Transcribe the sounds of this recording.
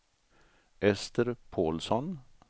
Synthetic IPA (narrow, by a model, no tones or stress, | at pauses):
ʔɛst̪əɾpʰoːlsɔn